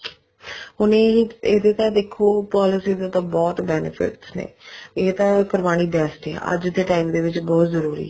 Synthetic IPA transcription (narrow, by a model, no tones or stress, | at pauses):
ɦʊnẽːeːd̪eːt̪ãːd̪eːkʰːuːpɔːlɪsiːd̪at̪ãːbɔːt̪bɛːnɪfʰɪ̰ʈsnḛːeːt̪ãːkəɾʋaːɽ̃iːbɛːsʈɛ̰ːʔə̰d͡ʒd̪eːʈaːimd̪eːʋɪt͡ʃbɔːt̪zəɾuːɾḭː